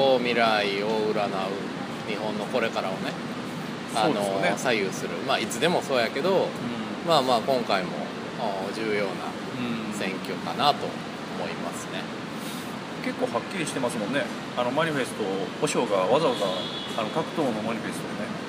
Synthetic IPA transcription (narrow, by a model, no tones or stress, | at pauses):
oːmʲiɾaioɯ̟ɾanaɯ̟ | ɲ̟iɦõ̞nːo̞ko̞ɾe̞kaɾaone̞ | oad̪noesajɯsɨɾɯ̟maːit͡sɨd̪e̞mo̞so̞ːjake̞d̪o̞ɯ̃ | maːmaːkõ̞ŋkaimo̞̰ | a | ʑɨːjo̞ːnã̰ | sẽ̞ŋkʲo̞kanat̪o̞̰ | omo̞imasɨ̥ne̞ | ke̞kːo̞ːhakʲːiɾʲiɕi̥t̪e̞masɨmõ̞nːe | ano̞maɲ̟iɸe̞sɨ̥t̪o̞ho̞ɕoːɡaβazaβazaː | no̞kakɯ̟̥t̪o̞ːno̞maɲ̟iɸe̞sɨ̥t̪od̪ene